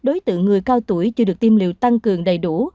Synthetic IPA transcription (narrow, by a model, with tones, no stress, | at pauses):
ɗo˨˦jt̪ɨ̰˧˨ŋːɨ˨˩əjkaː˧wt̪u˧˩əjt͡ɕɨ˧ɗɨ˨˩ək̚t̪i˧mlḭ˧˨wt̪a˧ŋkɨ˨˩əŋɗə˨˩jɗu˧˩